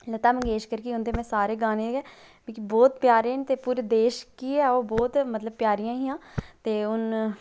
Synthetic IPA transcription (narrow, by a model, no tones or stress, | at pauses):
lət̪aːməŋɡeːʃkəɾkiːʊnt̪eːmɛ̃ːsaːɾeːɡaːneːɛː | bẽːkibɔːt̪pjaːɾeːnt̪eːpuːɾd̪eːʃkiːɛːoːbɔːt̪mət̪ləb̚pjaːɾɪjãːɦiːãːt̪eːʊn